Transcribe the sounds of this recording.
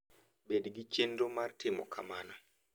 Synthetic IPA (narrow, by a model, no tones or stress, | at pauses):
ɓedɡit͡ʃendɔmaɾtimɔkʰamanɔ